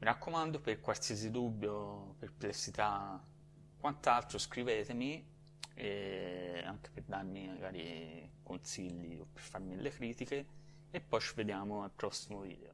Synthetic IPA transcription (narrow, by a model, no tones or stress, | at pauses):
miɾakːomand̪operkwalsiezid̪ubːjoperplesit̪a | kːwant̪alt̪ɾoskɾiveːt̪emi | ɛ | a̰ŋk̟e̥perd̪armimaɡaːɾḭkonsiʎːḭo̰pːerfarmilekɾiːt̪ikeː | pːɔjt͡ʃived̪jaːmoalpɾɔsːimovḭːd̪eo